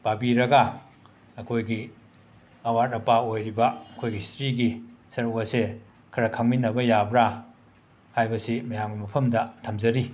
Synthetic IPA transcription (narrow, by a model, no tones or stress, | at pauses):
b̥abiɾɐɡɐ | ɐkʰojɡi | ɐwatɐpaojɾibɐɐkʰojɡisi̥tɾiɡisɐɾukɐse | kʰɐɾɐkʰaŋminːɐbɐjabɾa | hajbɐsimɐjaŋɡimɐpʰɐmdɐtʰɐmzɐɾi